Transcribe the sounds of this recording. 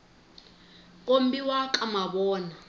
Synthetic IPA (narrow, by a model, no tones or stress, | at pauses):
k̬ʼom̩biwakʼamaɓɔːna